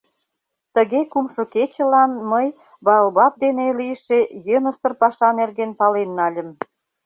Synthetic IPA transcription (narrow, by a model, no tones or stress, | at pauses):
t̪əɣekumʃoket͡ɕə̆lɑnməj | bɑəlβɑp̚d̪eneliəʃejənə̆sə̆rpɑʃɑnerɣenpɑlenːɑlʲə̆m